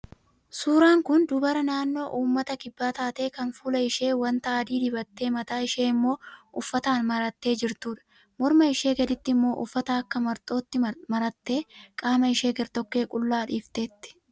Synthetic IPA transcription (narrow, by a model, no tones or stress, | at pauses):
suːɾaːŋkʊnd̪ʊbɐɾɐnaːnːo̞ːʔuːmːɐt̪ɐkɪbːaːt̪aːt̪e̞ːkɐnfuːlɐɪʃe̞ːwɐnt̪ɐaːd̪iːd̪ɪbɐt̪ːe̞ːmɐt̪aːɪʃeːɪmːo̞ːʊfːɐt̪aːnmɐɾɐt̪ːe̞ːd͡ʒɪɾt̪uːᶑɐ̥ | mɔɾmɐɪʃe̞ːɡɐd̪ɪt̪ːɪɪmːo̞ːʔʊ̰fːɐt̪aɐkːɐmɐɾt̪ʼo̞ːt̪ːɪmɐɾɐt̪ːe̞ːkʼaːmɐɪʃe̞ːɡɐɾt̪ɔkːe̞ːkʼʊlːaːᶑiːft̪e̞ːt̪ːɪ̥